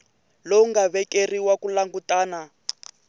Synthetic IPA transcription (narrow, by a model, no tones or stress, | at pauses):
loŋɡaβɛkeriwakulaŋɡutaːna